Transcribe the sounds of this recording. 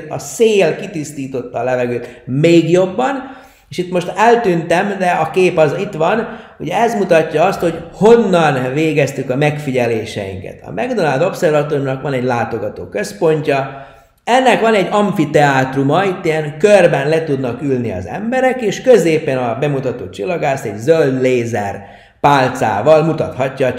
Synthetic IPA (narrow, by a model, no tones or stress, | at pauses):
ɒseːlkit̪ist̪iːt̪o̞t̪ːɒːlɛvɛɡøːt̪meːɡjo̞bːɒn | eːʃit̪mo̞ʃt̪ɛlt̪ynt̪ɛmd̪ɛɒkeːpɒzit̪ʋɒnuɟɛɛzmut̪ɒcːɒɒst̪ho̞ɟho̞nːɒnveːɡɛst̪ykɒmɛkfiɟɛleːʃɛ̰jḭŋkɛ̰t̪ʰɒ̰mɛɡd̪onaːld̪o̞psɛrvɒt̪oɾrnɒkʋɒnɛɟlaːt̪o̞ɡɒt̪o̰ːkøspo̞ɲcɒ | ɛnːɛkʋɒnɛɟːɒɱfit̪ɛaːt̪rumɒit̪ːijɛŋkørbɛnlɛt̪ud̪nɒkylniɒ̰zɛ̰mbɛɾɛkeːʃkøzeːpɛnɒbɛmut̪ɒt̪o̰ːt͡ʃilːɒɡaːst̪ɛɟzøld̪leːzɛ̰r | paːlt̪sa̰ːvɒlmut̪ɒt̪hɒcːɒ